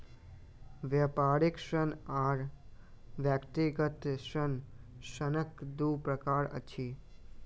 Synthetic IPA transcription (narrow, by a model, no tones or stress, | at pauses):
ʋjəpaːɾikʃənaːɾ | ʋjakt̪iɡət̪ʃənʃənəkd̪upɾəkaːɾə̰t͡ʃʰi